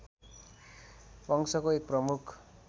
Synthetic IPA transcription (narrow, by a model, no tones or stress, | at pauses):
pʌŋsʌkoek̚prʌmukʰ